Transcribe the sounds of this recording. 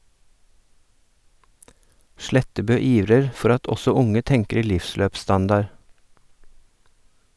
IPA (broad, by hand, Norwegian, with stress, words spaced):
ˈʃlɛtəbøː ˈiːʋɾəɾ ˈfɔɾ ˈɑt ˈɔsɔ ˈʊŋə ˈtɛŋkəɾ ˈlɪfˌsløːpˌstɑndɑɾ